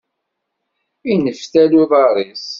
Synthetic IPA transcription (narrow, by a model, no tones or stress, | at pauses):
inəfθæluðˤɑɾˤis